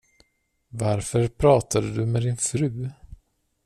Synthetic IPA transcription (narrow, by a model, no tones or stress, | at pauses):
vaɾfœɾpʰɾɑːt̪ʰad̪əd̪ɵmɛd̪ɪnfɾʉ̟ː